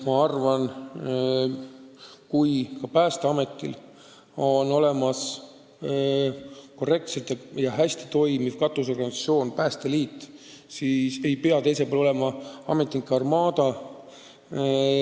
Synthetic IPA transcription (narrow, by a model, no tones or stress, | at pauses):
mɑɑrvɑn | kujkɑpæːst̪eɑme̞t̪ːˑḭl | o̞no̞le̞mɑs | ko̞re̞k̚t̪set̪jɑjɑɦæsʲt̪i̥t̪o̞jmivkɑt̪ːˑus̬o̞rɡɑnisɑt̪sio̞ːnpæːst̪eliːt̪ːsise̞jpeɑt̪e̞jsepolo̞le̞mɑɑ̰me̞t̪ːˑikːˑɑrmɑːd̪̥ɑ